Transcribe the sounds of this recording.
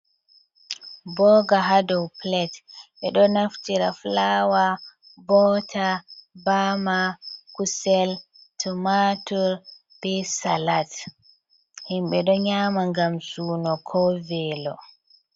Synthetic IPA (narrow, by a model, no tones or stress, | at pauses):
bɔːɡaɦadɔwplɛtɓɛɗɔnaftiɾaflaːwa | bɔtʰabamakusɛl | tʰumatuɾ | b̥ɛsalat | himɓɛɗɔɲaːmaŋɡamsuːnɔkʰɔvɛːlɔ̰